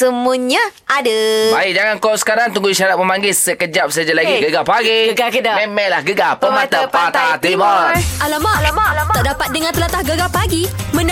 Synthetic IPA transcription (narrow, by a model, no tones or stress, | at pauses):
səmuɲã | adəbaɪd͡ʒaŋankɔsə̥kaɾaŋt̪uŋɡuiʃaɾat̪̚məmaŋɡɪlsəkəd͡ʒap̚səad͡ʒalaɡɡiɡəɡapaɡiəɡakədaɛmɛlahɡəɡapəmat̪apat̪at̪ibaalamalamalaaʔdapat̪̚dəŋãnt̪əlat̪ahɡəɡapaɡimən